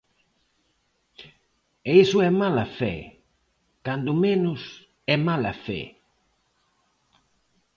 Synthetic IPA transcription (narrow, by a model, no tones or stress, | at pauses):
eisʊɛmalɐfɛ̰ | kand̪ʊmenʊs | ɛmalafɛ̰